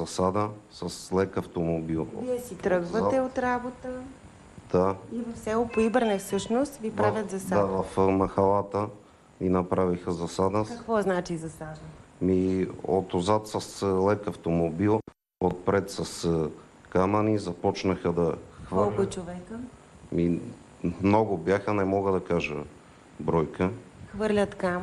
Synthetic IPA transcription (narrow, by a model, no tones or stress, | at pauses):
zɐsad̪əsɐslɛkɐft̪omobilˠviɛsit̪ɾɤɡvɐɛot̪ɾabot̪ə | d̪̥aivɐfsɛlˠopoibəɾnɛsɤʃnost̪vipɾavʲjət̪zɐsaavɐfmɐxɐlˠat̪ə | inɐpɾavixəzɐsad̪əɐkvɔznat͡ʃizɐsad̪ɐmio̰t̪ozat̪sɐslɛkɐft̪omobilˠ | ot̪̚pɾɛt̪sɐs | kamɐnizɐpɔt͡ʃnəxəd̪ɐxvəlˠkʲot͡ʃovɛkə | mi | mnɔɡʊbjaxənɛmɔɡəd̪ɐkaʒə | bɾɔjkəxvɤɾlʲət̪kam